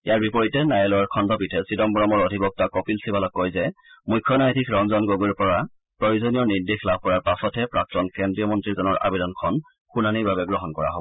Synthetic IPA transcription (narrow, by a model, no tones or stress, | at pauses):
ijaɹbipɔɹitɛnajɔlɔaɹkʰɔndʱɔpitʰɛsidɔmbɔɹɔmɔɹɔdʱibɔk̚takɔpilsibalɔkːɔjzɛmujkʰːjɔnajtʰikʰɹɔŋzɔnɡoɡuɹpɔɹa | pɹojuzonijɔɹniɹdixlab̚ʱpɔɹaɹpasɔtʰɛpɹak̚tɔnkɛndɹijɔmɔntɹizɔnɔɹʔa̰bedɔnkʰɔn | xunanibabɛɡɹɔɦɔnkɔɹa̰ɦobɔɔ